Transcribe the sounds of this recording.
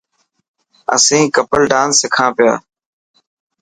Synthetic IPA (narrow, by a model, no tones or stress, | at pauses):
ə̰sĩːkəpəlɖãːnsɪkʰãːpɪja̰ː